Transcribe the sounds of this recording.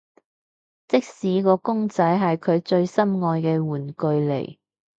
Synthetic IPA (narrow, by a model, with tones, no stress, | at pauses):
t͡sɪ˥k̚siː˨˧kɔː˧kʊ˥ŋt͡sɐ˨˥jɦɐ˨jkʰɵ˨˧ɥt͡ʃɵ˧ɥsɐ˥mŋɔː˧jkɛː˧wuː˨˩nkɵ˨˧ɥlḛ˨˩j